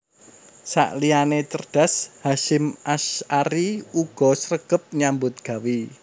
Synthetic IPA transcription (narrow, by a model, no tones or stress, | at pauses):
sa̰ʔlianet͡ʃərɖ̥a̤shaʃɪmaʃaɾiuɡ̥ɔ̤səɾəɡ̥əp̚ɲambʊt̪̚ɡ̥a̤wi